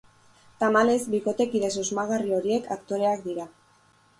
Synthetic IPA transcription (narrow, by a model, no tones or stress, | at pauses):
t̪amale̞zbiko̞t̪e̞kiðe̞sozmaɣ̞ario̞ɾie̞kʰakt̪o̞ɾe̞akd̪iɾa